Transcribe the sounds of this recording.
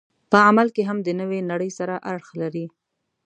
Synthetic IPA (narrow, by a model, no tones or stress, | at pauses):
pəamalkeɦamd̪ənəwenaɽəjsaɾaʔaɽxlaɾi